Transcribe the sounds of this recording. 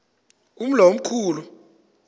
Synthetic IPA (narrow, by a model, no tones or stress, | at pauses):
um̩lom̩kʰuːlu